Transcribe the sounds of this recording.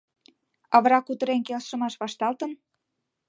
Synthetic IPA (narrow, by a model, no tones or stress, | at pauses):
ɑβɾɑkut̪ə̆ɾenkelʃə̆mɑʃβɑʃt̪ɑlt̪ən